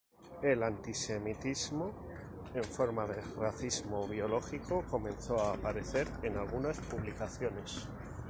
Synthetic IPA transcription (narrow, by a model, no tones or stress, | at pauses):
e̞lant̪ise̞mit̪izmo̞ | e̞ɱfo̞ɾmaðe̞raθizmo̞β̞jo̞lo̞xiko̞ko̞mẽ̞nθo̞aːpaɾe̞θe̞ɾenalɣunaspuβlikaθjo̞ne̞s